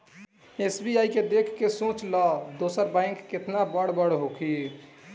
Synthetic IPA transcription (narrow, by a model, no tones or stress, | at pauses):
esbiaːiked̪ekʰːesõːt͡ʃlɔd̪oːsəɾbãɪ̃ŋkːɪt̪nabəɽbəɽɦokʰi